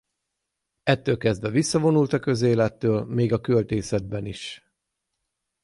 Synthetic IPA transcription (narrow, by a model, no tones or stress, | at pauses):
ɛt̪ːøːlkɛzd̪vɛvisːɒvo̞nult̪ɒkø̞zeːlɛt̪ːøːlmeːɡɒkølt̪eːsɛd̪̚bɛniʃ